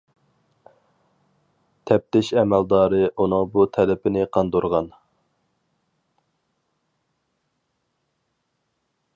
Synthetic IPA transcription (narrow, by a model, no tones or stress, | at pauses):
t̪ʰɛp̚t̪ɪʃɛmæld̪ɑːɾɨʔunɨŋbut̪ʰɛlɪpʰɪnɪqʰɑnd̪oɾʁɑn